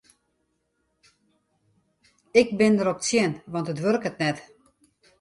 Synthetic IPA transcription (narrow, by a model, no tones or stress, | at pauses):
ɪk̚bɪndəɾɔp̚sjɪnʋɑntətʋørkətnɛt